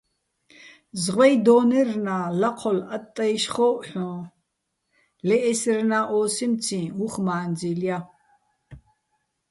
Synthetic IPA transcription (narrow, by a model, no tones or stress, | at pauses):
zʁɛjd̪ɔːnɛrnaːlɐqʰɔlat̪ʼːɐjʃχɔːħʷɔ̃ː | lɛʔɛsrnaːʔɔːsimt͡sʰĩuχmaːnd͡zilja